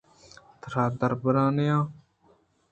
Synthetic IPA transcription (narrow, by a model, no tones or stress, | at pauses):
t̪ɾaːd̪əɾbəɾãːnejãː